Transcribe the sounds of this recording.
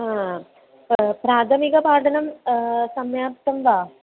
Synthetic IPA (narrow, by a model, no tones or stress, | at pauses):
aː | pɾaːt̪ʰɐmiɣɐpaːʈʰɐnɐmsɐmjaːp̚t̪ɐmʋaː